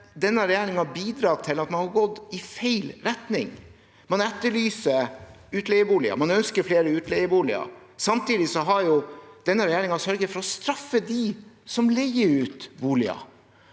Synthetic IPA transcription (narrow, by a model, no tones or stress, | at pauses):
d̪ɛnːəɾɛjæːɾɪŋɑbiːd̪ɾɑːt̪ʰɪlɑt̪mɑnhɑɾɡɔd̪ɪfæɪlɾɛt̪nɪŋ | mɑnɛt̪ːəɭyːsəʉːt̪lɛjəbuːlɪɑ̰mɑnœnskəɾfleːɾəʉːt̪lɛɪəʋuːlɪɑ̰sɑmt̪iːd̪ɪsɔɦɑɾjʊd̪̥ɛnːəɾɛjæːɾɪŋɑsœɾɡəfɔɾɔst̪ɾɑfːəd̪ɪsɔmlɛɡəɾʉːt̪ʋuːlɪɑ̰